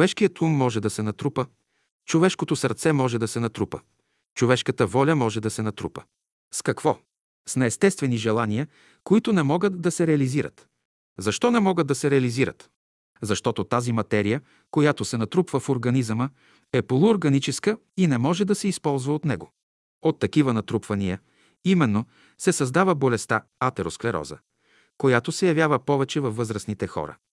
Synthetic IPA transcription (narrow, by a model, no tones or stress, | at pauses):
vɛʃkijət̪umːɔʒɛd̪ɐsɛnɐt̪ɾupə | t͡ʃovɛʃkot̪osəɾt̪sɛmɔʒɛd̪ɐsɛnɐt̪ɾupə̰ | t͡ʃovɛʃkət̪əvɔlʲəmɔʒɛd̪ɐsɛnɐt̪ɾṵpə | skɐkvɔ | snɛːst̪ɛst̪vɛniʒɛlˠanijə | koit̪ʊnɛmɔɡət̪d̪ɐsɛɾɛɐliziɾə̰t̪ | zɐʃt̪ɔnɛmɔɡəd̪ɐsɛɾɛɐliziɾə̰t̪ | zɐʃt̪ɔt̪ot̪azimɐt̪ɛɾijə | kojat̪osɛnɐt̪ɾupvəfoɾɡɐnizmə | ɛpolˠʊːɾɡɐnit͡ʃɛskə | inɛmɔʒɛd̪ɐsɛispɔlˠzvəot̪nɛɡo | ot̪ːɐkivənɐt̪ɾupvɐniə | imɛnːo | sɛsɐzd̪avəbolɛst̪a | at̪ɛɾosklɛɾɔ̰zə̰ | kojat̪osɛjɐvjavəpɔvɛt͡ʃɛvɐfːɤzɾəsnit̪ɛxɔ̰ɾə̰